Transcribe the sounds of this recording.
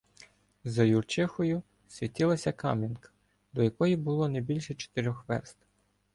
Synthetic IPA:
zɐjurt͡ʃɪxɔjʊ | sʲʋʲitʲilˠɐsʲɐkɑ̰mʲinkɐ̥ | d̪ɔjɐkɔjibʊlˠɔnɛbʲilʲʃɛt͡ʃɔ̥t̪eɾʲɔxʋɛ̰rst̪

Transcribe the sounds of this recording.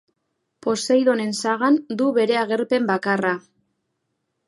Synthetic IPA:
po̞sejðo̞ne̞nsaɣand̪uβe̞ɾe̞aɣ̞e̞ɾpe̞mbakara

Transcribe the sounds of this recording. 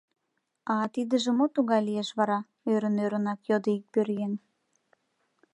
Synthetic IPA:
ɑt̪id̪ə̆ʒə̆mot̪uɣɑjlieʃβɑɾɑ | øɾənøɾənɑkjod̪əik̚pøɾjen

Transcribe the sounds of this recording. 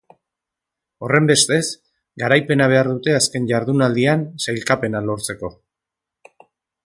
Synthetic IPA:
o̞re̞mbe̞st̪e̞s | ɡaɾajpe̞naβ̞e̞aɾðut̪e̞aske̞nʝaɾðunald̪iansajlkape̞nalo̞ɾt͡se̞ko̞

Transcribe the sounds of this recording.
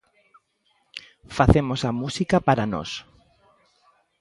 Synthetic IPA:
faθemosamusikapaɾano̰s

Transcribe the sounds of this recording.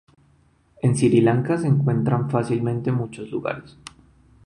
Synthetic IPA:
e̞nsiɾilaŋkase̞ːŋkwe̞nt̪ɾaɱfasilmẽ̞nt̪e̞mut͡ʃo̞zluɣa̰ɾes

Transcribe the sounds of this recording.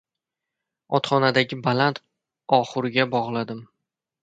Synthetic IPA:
ɒt̪χɒnad̪aɡʲɪbalant̪ʰ | ɒχɨɾɪɡʲabɒʁlˠad̪ɪm

